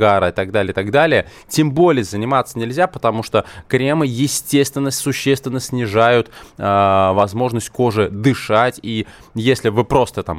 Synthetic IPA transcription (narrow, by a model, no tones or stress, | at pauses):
ɡaɾəɪt̪aɡ̚d̪alʲɪjət̪aɡd̪alʲɪjə | tʲembo̞lʲɪjəzənʲɪmat̪sənʲɪlʲzʲapə̥t̪ɐmuʂt̪okɾʲemɨjɪsʲtʲe̞st̪vʲɪnːəsʊɕːest̪vʲɪnːəsʲnʲɪʐajʊt̪ː | vɐzmo̞ʐnəsʲt̚ʲko̞ʐɨd̪ɨʂatʲi | jesʲlʲɪvɨpɾo̞st̪ət̪a̰m